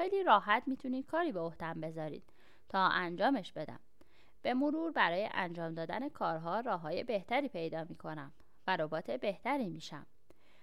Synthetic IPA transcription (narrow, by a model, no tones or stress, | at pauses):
xejliːɾɒːɦæt̪miːt̪ʰuniːd̪̥kʰɒːɾiːbeohd̪æmbe̞zɒːɾḭːd̪̥ | t̪ʰɒːʔænd͡ʒɒːme̞ʃb̥e̞d̪æ̰m | b̥e̞moɾuːɾbæɾɒːjḛʔænd͡ʒɒːmd̪ɒːd̪ænekʰɒːɾɦɒːɾɒːɦɒːje̞be̞ht̪ʰæɾiːpʰe̞jd̪ɒːmiːkʰo̞næm | væɾo̞bɒːt̪ʰe̞be̞ht̪æɾiːmiːʃæ̰m